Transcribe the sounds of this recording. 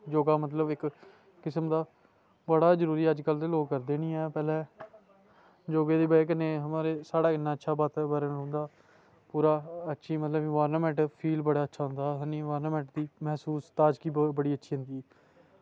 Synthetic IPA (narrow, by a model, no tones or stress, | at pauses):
d͡ʒoːɡaːmət̪ləbɪkː | ɪsəmd̪aː | bəɽaːzəɾuːɾiːəd͡ʒkəlt̪eːloːɡkːəɾd̪eːnĩːɛːpɛːlɛː | d͡ʒoːɡeːd̪eːbaeːk̬əneːɦəmaːɾeːsaːɽaːkɪnːaːətːʃʰaːbaːt̪bəɾənɦʊ̃ːnd̪aː | puːɾaːətːʃʰiːmət̪ləbiːʋaːɾnaːmɛ̃ɳʈpʰiːlbəɽaːətːʃʰaːɦʊnd̪aːənĩːʋaːɾnaːmɛ̃ːɳʈd̪iːmɛɦsuːst̪aːd͡ʒkiːbəɽiːətːʃʰiːɦʊ̃nd̪iːɛː